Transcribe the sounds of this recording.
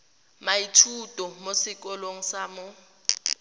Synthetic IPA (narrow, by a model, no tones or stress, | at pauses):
maitʰutʼɔmosɪkʼɔloŋ̩saːmʊ